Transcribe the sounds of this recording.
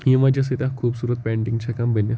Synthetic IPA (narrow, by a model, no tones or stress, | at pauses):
jĩmad͡ʑas̬ət̪ãkʰuːbsuːɾət̪̚pɛ̃ɳʈĩŋɡt͡ɕʰakambʱənja